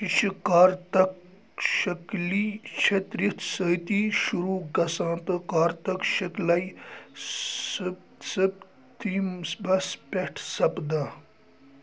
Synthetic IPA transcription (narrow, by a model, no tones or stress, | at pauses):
ʃiʃikaːɾt̪ɐk | ʃɐklit͡ʃʰet̪ɾit̪ʰsɐt̪iːʃuɾuːɡɐsãːt̪ɐkaːɾt̪ɐkʃɐklɐj | sɨ | sɐp | t̪imsbɐspʲeʈʰsɐpd̪aː